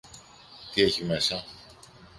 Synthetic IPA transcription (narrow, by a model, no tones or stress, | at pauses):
t̪ie̞çime̞sɐ